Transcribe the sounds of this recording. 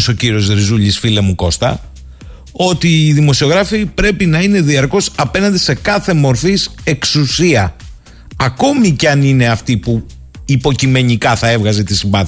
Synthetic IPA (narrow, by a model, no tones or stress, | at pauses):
so̞ciɾio̞zɾizuʎisfile̞muko̞st̪ɐ̰ | o̞t̪iːðimo̞sio̞ɣɾɐfipɾe̞pinɐine̞ðiɐɾko̞sɐpe̞nɐnd̪ise̞kɐθe̞mo̞ɾfise̞ksusiɐ | ɐko̞miceɐnine̞ɐft̪ipu | ipo̞cime̞ɲikɐθɐe̞vɣɐzet̪isimbɐθ